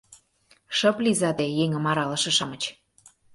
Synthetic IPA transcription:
ʃɤ̆plizɑd̪ejeŋə̆mɑɾɑlɤ̆ʃɤ̆ʃɑmə̆t͡ɕ

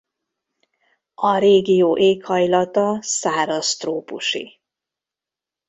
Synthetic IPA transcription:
ɒɾeːɡijoːʔeːkhɒjlɒt̪ɒsaːɾost̪roːpṵʃḭ

